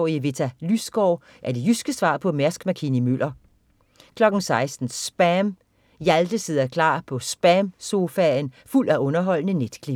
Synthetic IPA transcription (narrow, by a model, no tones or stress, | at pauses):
iəʋe̝t͡sʰælysɡ̥ɒʊ | ʔæɐd̥e̝jysɡ̥əsʋɑ̰̈ːpʰɒ̽mæɐsɡ̥mækʰinimøl̰ɐ | kʰlɒ̽ɡ̥n̩sɑ̈ɪsd̥n̩sb̥æm | jæld̥əse̝ð̰ˠɐkʰlɑ̰̈ːpʰɒ̽sb̥æmso̝fænful̰æʔɔ̽nɐɦɒ̽l̰nəned̥kʰlib̥